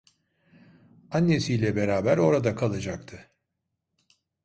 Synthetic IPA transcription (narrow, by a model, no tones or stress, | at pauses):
anːesijlʲɛbe̞ɾaːbæɾo̞ɾad̪akʰalˠɯd͡ʒak̚t̪ʰɯ